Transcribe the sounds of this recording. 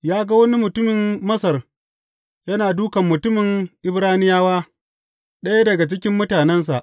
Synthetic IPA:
jaː˦ɡa˦wɐ˦ni˦mʊ˨tʊ˦mɪ˨mmɐ˦sɐ˨r | jɐ˦naː˨duː˦kɐ˨mːʊ˨tʊ˦mɪ˨ŋʔɪ˦bɾaː˦nɪ˦jaː˦waː˦ | ɗɐ˦ja˦dɐ˨ɡa˨t͡ʃɪ˦kʲɪ˦mːʊ˦taː˨nɛ˦ns̬a˨ʔ

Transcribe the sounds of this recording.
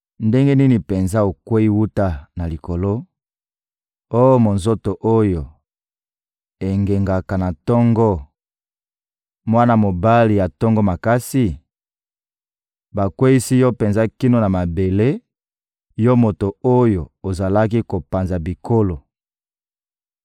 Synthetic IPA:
nde˦ŋɡe˦ni˦ni˨pe˨nza˦o˨kwe˦i˦wu˦ta˦na˨li˨ko˨lo˦ | o˦jo˦mo˨nzo˦to˨ʔo˦jo˨ | e˨ŋɡe˨ŋɡa˨ka˨na˨tɔ˦ŋɡɔ˦ | mwa˦na˦mo˨ba˦li˨ja˨tɔ˦ŋɡɔ˦ma˨ka˦si˦ | ba˨kwe˦i˦si˦jɔ˦pe˨nza˦ki˦no˦na˨ma˨be˨le˦ | jɔ˦mo˨to˨o˦jo˨o˨za˨la˦ki˦ko˨pa˨nza˨bi˨kʰo˦lo˨

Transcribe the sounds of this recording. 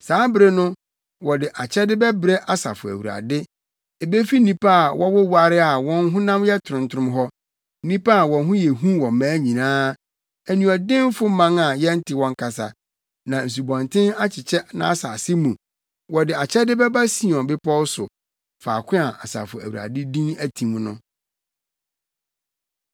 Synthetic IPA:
saː˨˦bɾe˦nʊ̃˦ | wɔ˨dɪ˨ʔa˨t͡ɕʰɛ˦dɪ˦bɛ˦bɾɛ˦ʔa˨sa̰˨fʊ˨æ̰˨wu˨ɾa̰˨dɪ˦ | e˨be˦fi˦nĩ˦pʰa˦a˨wʔɔ˦wɔ˦wa˦˨ɾɪ˦a˨wɔ̃˦nɦʊ̃˦nã˦mjɛ˦tʰʊ˨ʊ̃˨ntʰʊ˦ɾʊ̃˦m˦ɦɔ˦ | nĩ˦pa˦a˨wɔ̃˨nɦʊ̃˦jɛ˨ɦũ˦wɔ̃˨m̩˨mãː˨˦ɲĩ˨nãː˦ | æ˨nũ˨ɔ˨dɪ̃˦m˦fʊ˦mã˦ŋa˨jɛ˦n̩˦tʰɪ˨wɔ̃˨ŋ˦kʰa˨sa̰˨ | nã˨n̩˨s̬u˨bɔ̃˨ntʰɪ̃˦na˦t͡ɕʰɪ˨t͡ɕʰɛ˦nã̰˦sa˨sɪ˦mũ˨ | wɔ˨dɪ˨a˨t͡ɕʰɛ˦dɪ˦bɛ˦ba˦sĩ˨ɔ̃˨bɪ˦pʰɔ˦sʊ˨ | faː˨kʷʰɪ̃˦a˨ʔa˨sa̰ː˨fʊ˨æ̰˨wu˨a̰˨dɪ˦dĩ˦næ˦tʰĩ˨m˦nʊ̃˦

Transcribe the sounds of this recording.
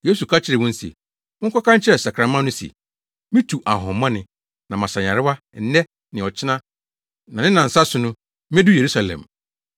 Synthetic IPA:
je˦su˨kʰa˦t͡ɕʰɪ˦ɾɪ˨wɔ̃˦n̩˦sḛ̃˨˦ | ŋ̩˦kʰɔ˦kʰã˦n˦t͡ɕʰɪ˦ɾɛ˨sa˨kʰɾã˨˦mã˦nʊ̃˦sḛ˨ | mĩ˦tʰu˨ʔa˨ɦɔ̃˨m˦mã˦nɪ̃˨ | nã˨mã˨sã˨ɲã˨ɾɪ˦wa˦ | n̩˦nɛ˦ | nɪ̃˨ɔ˨t͡ɕʰɪ˦nã˦ | nã˨nɪ̃˦nã˨n̩˨sa˦sʊ˨nʊ̃˦ | mĩ˦ɛ˦du˦je˨ɾu˦sa˨lɛ̰̃˨m

